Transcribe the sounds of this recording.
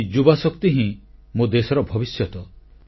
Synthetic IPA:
d͡ʒubasɔkt̪iɦĩmod̪esɔɾɔbʱɔbisjɔt̪ɔ

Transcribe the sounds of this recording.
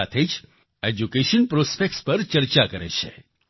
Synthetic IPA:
at̪ʰed͡ʒ | ed͡ʒukeʃənpɾospek̚ʈspəɾt͡ʃəɾt͡ʃakəɾḛt͡ʃʰḛ

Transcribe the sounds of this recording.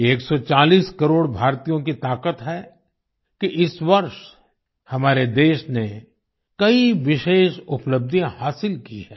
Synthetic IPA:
eːksɔt͡ʃaːliːskɐɾoːɽbʱaːɾt̪ijõkit̪aːkət̪ɦɛ | kiʔɪsʋɐɾʃ | hɐmaːɾed̪eːʃne | kɐiʋɪʃeːʃʊpləb̚d̪ʱijãhaːsɪlkḭɦɛː

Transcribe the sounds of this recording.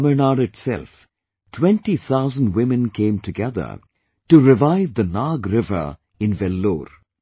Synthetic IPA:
mənaːɖɪʈtsɛ̰lf | tʰwɛ̃nʈiθʰaʊzə̃n̩dwɪ̃mɨ̃nkʰẽɪ̃mtʰɨɡɛðə̰˞ | ʈuɾɪvaɪvd̪ənɑɡɾɪvə̰˞ | ɪ̃nvɛlːoːɾ

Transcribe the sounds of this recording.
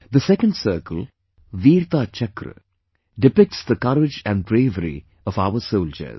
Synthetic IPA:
d̪əsɛkə̃ɳɖsəːkəl | ʋiːɾt̪aːt͡ʃɐkɾɨ̰ | ɖɪpɪk̚ʈsd̪əkʌɾɪd͡ʒæ̃ɳɖbɾeːʋəɾḭ | ɔʋaʊʋəsoʊld͡ʒə̰z

